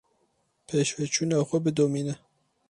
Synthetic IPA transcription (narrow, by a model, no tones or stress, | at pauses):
pʰeːʃwɛt͡ʃʰuːnɑːxʷɛbɨd̪oːmiːnɛ